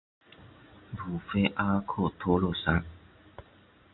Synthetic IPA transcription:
bu˨fe˦ʔa˦kʰo˦˨t̪ʰo˦lo˨sa˨˦n˨

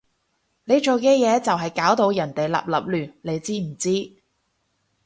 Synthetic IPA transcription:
ne˨˧jt͡ʃo˨wkɛː˧jɛː˨˧t͡sɐ˨wɦɐ˨jkaː˨˥wt̪o˨˧wjɐ˨˩nt̪e˨jla̰ː˨p̚lɐ̰˨p̚lyː˨˩nle˨˧jt͡siː˥m̩˨˩t͡siː˥

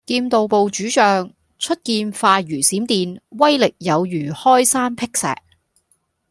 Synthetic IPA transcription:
kiː˧mt̪o˨wpo˨wt͡ʃyː˨˥t͡ʃœː˨ŋ | t͡ʃʰɵ˥t̚kiː˧nfaː˧jyː˨˩siː˨˥mt̪iː˧nwɐ˥jlɪ˨k̚jɐ˨˧wjyː˨˩hɔː˥jsaː˥npʰɪ˥k̚sɛ̰ː˨k̚

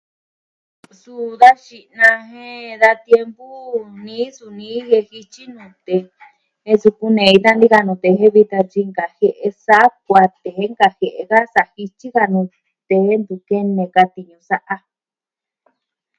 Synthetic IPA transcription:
su˧˨ða˦ʃi˨nã˧ɦẽ˦ða˧t̪je˧mpu˦nĩː˦su˧nĩː˦he˧hi˧t͡ʃi˦nũ˨˧˨t̪e˨˧ | e˦˧su˧ku˧nẽ˨˧i˧t̪a˦nd̪i˦ka˧nũ˨˧t̪e˧ɦe˦βi˧t̪a˧t͡ʃi˧ŋɡa˨he˧ʔe˧sa˦k̚ʷa˧t̪e˨hẽ˦ŋɡa˧he˨ʔe˧ka˦sa˧˨hi˧t͡ʃi˦ɣa˧nũ˧ | t̪e˨˦nd̪u˨ke˦nẽ˧ka˧t̪i˧ɲũ˧sa˦ʔa˧

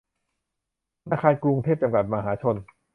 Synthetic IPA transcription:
naː˧kʰaː˧nkɾu˧ŋt̪ʰeː˥˩p̚t͡ɕa˧mka˨˩t̪̚ma˧ɦaː˩˦t͡ɕʰo˧n

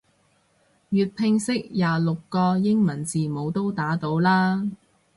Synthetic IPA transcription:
jyː˨˧t̚pʰɪ˧ŋsɪ˥k̚jaː˨lʊ˨kːɔː˧jɪ˥ŋmɐ˨˩nt͡siː˨mo˨˧wt̪o˥wt̪aː˨˥t̪o˨˧˥wlaː˥

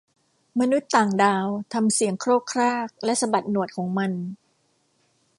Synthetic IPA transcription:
ma˧nu˦˥t̪ːaː˨˩ŋdaː˧wt̪ʰa˧msi˩˦əŋkʰɾoː˥˩p̚kʰɾaː˥˩k̚lɛ˦˥ʔsa˧ba˨˩t̪̚nu˨˩ət̚kʰɔː˩˦ŋma˧n

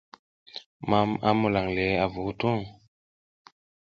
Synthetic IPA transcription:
ma˦ma̰˦mu˨la˨ŋle˨˦a˨vu˨˦tu˦ŋ

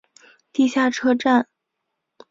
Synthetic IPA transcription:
t̪i˥˧ɕja˥˩ʈ͡ʂʰɤ˥ʈ͡ʂa˥˩n

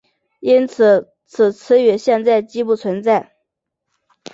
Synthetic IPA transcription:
i˥nt͡sʰɹ̩˨˩˦ | t͡sʰɹ̩˨˩t͡sʰɹ̩˥ɥɛ˧˥ɕjɛ˥˧nt͡sa˥˩ɪt͡ɕi˥pu˥˩t͡sʰwə˧˥nt͡sa˥˩ɪ

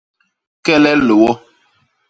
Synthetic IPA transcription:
kɛ˦lɛ˦lo˨wɔ˦

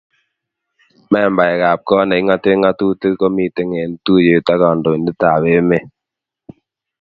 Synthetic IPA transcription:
mɛ˦˨mba˨ɛ˨ɣa˨p̚kɔ˦nɛ˨i˦ŋa˦te˦ŋa˦tu˦te˦ko˦mi˦˨te˦ŋe˨n˦tu˦je˨ta˦ɣɔ˨ndo˨ndɪ˦ta˨we˦me˦

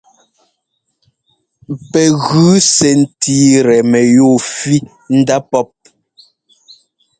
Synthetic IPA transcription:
pɛ˨ɣʉː˨˦sɛ˨n̩˨tiː˦ɾɛ˨mɛ˨jo˦˨fi˦ | n̩˦da˦pɔ˦p̚

